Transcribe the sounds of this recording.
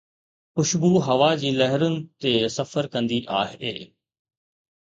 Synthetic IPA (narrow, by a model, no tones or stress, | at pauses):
pʊʃbuːɦɐʋaːd͡ʑiːləɦəɾənɪ̆t̪eːsəfəɾkə̃nd̪iːʔa̰ːɦeː